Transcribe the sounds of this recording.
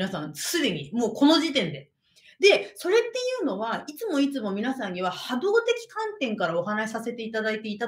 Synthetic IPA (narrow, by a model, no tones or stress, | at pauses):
nasãnsɨd̪e̞ɲ̟imoːko̞no̞ʑit̪ẽ̞nd̪e̞ | d̪e̞so̞ɾe̞t̪ːe̞jɯ̟ːno̞βait͡sɨmo̞it͡sɨmo̞mʲinasãɲ̟iβahad̪o̞ːt̪e̞kʲi̥kãnt̪ẽ̞ŋkaɾao̞ɦanaɕi̥sase̞t̪e̞it̪ad̪ait̪e̞it̪a